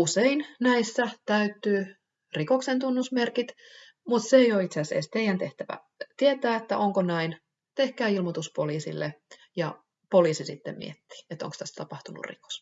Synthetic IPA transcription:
useinnæisːæt̪æyt̪ːyː | rikoksent̪unːusmerkit̪ | mut̪seejoit̪seæsḛst̪eijænt̪eht̪æʋæ̰ | t̪iet̪æːet̪ːæʔoŋkonæin | t̪ehkæːilmot̪uspoliːsḭlːe | jɑ | poliːsisit̪ːemmḭet̪ːi̥ːet̪ːˑo̰ŋkst̪æst̪ɑpɑht̪unṵrrḭko̥s

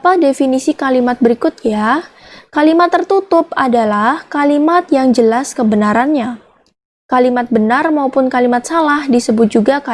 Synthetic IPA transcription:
apadefinisikalimat̪̚bəɾikʊt̪̚jakalimat̪ːərt̪ut̪ʊp̚adalahkalimat̪̚jaŋd͡ʒəlaskəbənaɾanɲa | kalimat̪̚bənarmaupʊnkalimat̪̚salahdisəbʊt̪̚d͡ʒuɡaka

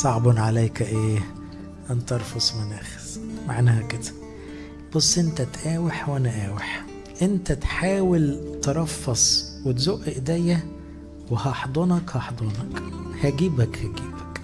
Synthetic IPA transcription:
sˤɑʕbɑnʕalæjkæʔeː | ʔænt̪ɑɾˤfosˤmenʔæːxe̥z̥ma̰ʕnæːhæked̪æ̥ | b̥ɑsˤːʔent̪æt̪ʔæːweħwænæʔæːweħ | ʔent̪æt̪ħaːwelt̪eɾˤɑfːɑsˤ | wet̪zoːʔʔeʔd̪æjːæ | wehɑħd̪ˤonɑkhɑħd̪ˤonɑkhæɡiːbækhæɡiːbæk

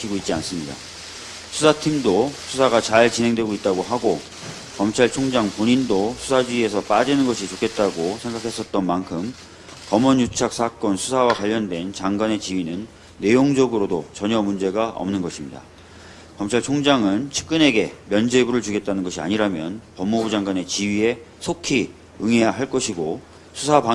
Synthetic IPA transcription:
kʰiɡoit̚t͡ɕ͈ians͈ɯmɲida̰ | sʰusʰatʰimdosʰusʰaɡat͡ɕaɭt͡ɕinɦe̞ŋdwe̞ɡoit̚t͈aɡoɦaɡo | kʌmt͡ɕʰaɭt͡ɕʰoŋd͡ʑaŋpoɲindosʰusʰad͡ʑiie̞sʰʌp͈ad͡ʑinɯnɡʌɕʰit͡ɕokʰe̞t̚t͈aɡosʰe̞ŋɡakʰe̞s͈ʌt̚t͈ʌnmankʰɯm | kʌmʌnjut͡ɕʰak̚s͈ʰak͈ʌnsʰusʰawakwaʎːʌndwe̞nt͡ɕaŋɡane̞t͡ɕiɥinɯnː | e̞joŋd͡ʑʌɡɯɾodot͡ɕʌɲʌmund͡ʑe̞ɡaʔʌ̰mnɯnɡʌɕʰimɲida̰ | kʌmt͡ɕʰaɭt͡ɕʰoŋd͡ʑaŋɯnt͡ɕʰɯ̥k̚k͈ɯne̞ɡe̞mjʌnd͡ʑebuɾɯɭt͡ɕuɡe̞t̚t͈anɯnɡʌɕʰia̰ɲiɾamjʌnpʌmːobud͡ʑaŋɡwane̞t͡ɕiɥie̞ | sʰokʰi | ɯŋe̞jaɦaɭk͈ʌɕʰiɡo | sʰusʰapa

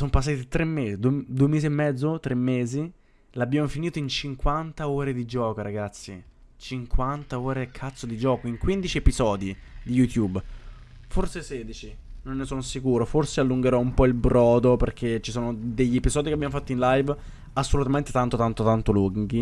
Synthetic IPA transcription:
sompas̬ːat̪it̪ɾemːeːzid̪ued̪uːemeːziemːɛd̪zːot̪ɾʔemːeːzi | labːjaːmofiniːt̪oint͡ʃiŋkwant̪aoːɾed̪id͡ʒɔːkoɾaɡat̪sḭ | t͡ʃiŋkwant̪aoːɾekʰːat̪sːod̪id͡ʒɔːkoiŋkwind̪it͡ʃiepizɔːd̪id̪ijut̪jub | forsesɛːd̪it͡ʃinonːesoːnosikuːɾoforsealːuŋɡeɾɔumpɔilbɾɔːd̪operkʰet͡ʃːisoːnod̪eʎːiepizɔːd̪ikeabjamofat̪ːoinlajv | asːolut̪ament̪et̪ant̪ot̪ant̪ot̪ant̪oluŋɡi

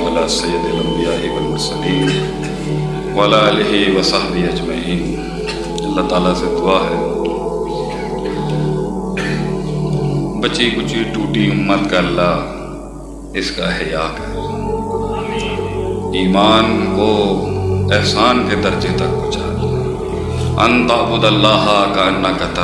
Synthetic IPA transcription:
ɐlaːsɐjːəd̪elɐ̃mb̪ijaːɦiwɐlmʊɾsəliːm | wɐlaːleɦiwɐsaɦd̪iɐd͡ʒmɐiːn | ɐlːaːt̪aːlased̪ʊaːɦɛː | bɐt͡ʃikʊt͡ʃiʈuːʈiʊmːət̪kaɐlːaː | ɪskaɦjaːkɛ | iːmaːnko | ɛɦsaːnked̪ɐɾd͡ʒet̪ɐk̚bʊt͡ʃa̰ːl | ɐ̰nt̪aːbʊd̪ɐlːaːɦakɐɐnːakɐt̪

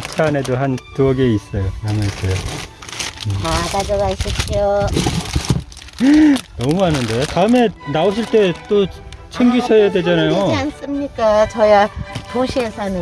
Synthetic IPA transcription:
t͡ɕʰane̞doɦantuʌɡeis͈ʌjonaŋasʰʌjo | akad͡ʑʌɡaɕʰiɕʰio | nʌmuɦanɯnde̞taɯme̞naoɕʰiɭt͈e̞t͈ot͡ɕʰeŋɡisʰʌjadwe̞d͡ʑanajoans͈ɯmɲik͈at͡ɕʌjatoɕʰiesʰʌnɯ

